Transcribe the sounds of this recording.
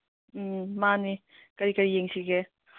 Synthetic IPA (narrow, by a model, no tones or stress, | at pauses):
mani | kɐɾikɐɾijeŋsiɡe